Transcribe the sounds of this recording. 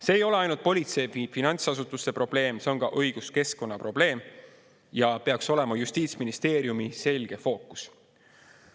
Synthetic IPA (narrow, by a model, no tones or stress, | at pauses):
se̞ːjo̞le̞ɑjnult̪̚po̞lʲit̪se̞jfifinɑnʲsɑsut̪ːˑust̪e̞pro̞b̥le̞ːmseo̞nɡɑʔɤjɡ̥uske̞sko̞nːɑpro̞b̥le̞ːm | jɑpe̞ɑkso̞le̞mɑjust̪iːt̪sminist̪e̞ːɾjumise̞lʲɡ̥e̞fo̞ːkːˑu̥s